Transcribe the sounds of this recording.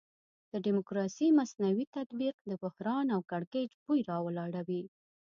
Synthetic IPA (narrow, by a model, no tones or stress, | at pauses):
d̪̥əɖimʊkɾɑsimasnawit̪at̪biqd̪əbʊhɾɑnawkaɽked͡ʒbujɾɑwəlɑɽawi